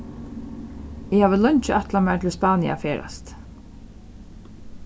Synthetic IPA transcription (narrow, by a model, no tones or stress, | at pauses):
ɪhaːʋəlœɲt͡ʃəʔat̪lamɛɹt̪ʰɪlspɑːnia̰feːɾa̰st̪